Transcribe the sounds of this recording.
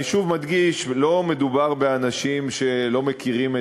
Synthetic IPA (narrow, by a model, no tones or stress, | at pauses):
iʃuvmad̪ɡiʃʃlo̞me̞d̪ubaʁbe̞anaʃimʃe̞lo̞mekiʁime